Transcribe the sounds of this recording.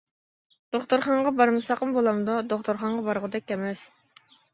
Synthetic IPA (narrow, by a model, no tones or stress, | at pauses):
d̪̥oχt̪uɾχɑɴʁɑbɑɾmɨsɑqəmbolˠɑmd̪ɑd̪oχt̪ʊɾχɑɴʁɑbɑɾʁʊd̪ɛkʲːɛmɛs